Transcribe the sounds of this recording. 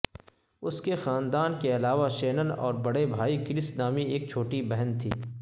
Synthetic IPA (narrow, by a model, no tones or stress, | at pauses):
ʊskexaːnd̪aːnkeɐlaːʋaʃeːnənɔ̰ːɾbɐɽebʱaːikɪɾɪsnaːmieːk̚t͡ʃʰoːʈibɛɦənt̪ʰḭː